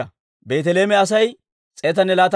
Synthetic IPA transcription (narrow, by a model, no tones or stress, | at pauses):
ɐ | be̞ːt̪ɛle̞ːmɛɐs̬ɐj | t͡sʼeːt̪ɐnːɛlaːt̪